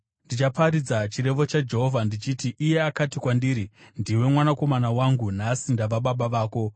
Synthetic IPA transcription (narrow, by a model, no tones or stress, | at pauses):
ndit͡ʃapaɾid͡zat͡ʃiɾe̞ʋo̞t͡ʃad͡ʒe̞ɦo̞vʱandit͡ʃitiʔːje̞akatikwandiːɾindiwe̞mwanako̞manawaŋɡunasindaʋaɓaɓaʋaːko̞